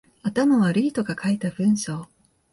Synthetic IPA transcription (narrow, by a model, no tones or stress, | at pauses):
at̪amaβaɾiːt̪o̞ɡakʰait̪aɸɯ̟̃ɰ̃ɕo̞ː